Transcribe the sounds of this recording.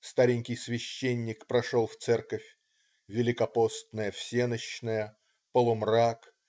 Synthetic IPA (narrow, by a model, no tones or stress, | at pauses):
st̪aɾʲɪnʲkʲɪjsvʲɪɕːenʲːɪkpɾɐʂolˠft̪sɛrkəfʲ | vʲɪlʲɪkɐpo̞st̪nəjəfsʲenəɕnəjə | pəlˠʊmrak